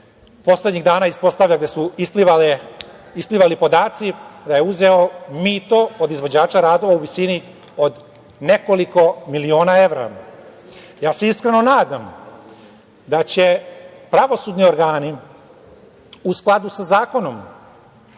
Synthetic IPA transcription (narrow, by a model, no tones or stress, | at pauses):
po̞sle̞d̪ɲiɣd̪aːnaːispo̞st̪aʋʎʲaɡd̪esuislial | ispliʋalipo̞d̪aːt̪sid̪ajeuzeo̞miːt̪o̞od̪izʋo̞d͡ʑaːt͡ʃaɾaːd̪o̞ʋauʋisini | o̞d̪ | ne̞ko̞liko̞milio̞ːnae̞ʋɾa̰ | jaːse̞iskɾeno̞naːd̪am | d̪at͡ɕe̞pɾaʋo̞suːd̪nio̞ɾɡaːni | usklˠad̪usazaːko̞no̞m